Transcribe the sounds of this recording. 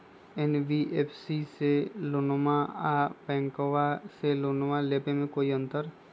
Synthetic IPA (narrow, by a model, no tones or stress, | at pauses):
ɛnʋiʔeːpʰsiselonomaapɛ̃ːŋkoʋaselonomaleːpemẽkoːiə̃nt̪əɾ